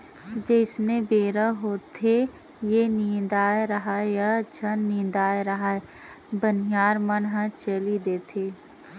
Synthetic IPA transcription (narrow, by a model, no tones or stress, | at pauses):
d͡ʒeɪsnebeːɾəɦoːt̪ʰe | jeniːd̪aːjɾɐɦajat͡ʃʰənnĩːd̪aːjɾɐɦaɛ | bənijaːɾmənɦə̃t͡ʃəlid̪eːt̪ʰeː